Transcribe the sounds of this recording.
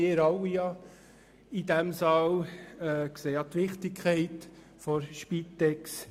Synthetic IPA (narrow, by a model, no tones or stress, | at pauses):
ɪɾɑwijɑ | idɛmsɑlɛkseːjɑt̪ʋɪχt̪ɪkʰχɛɪt | fɔɾʃpit̪ːɛks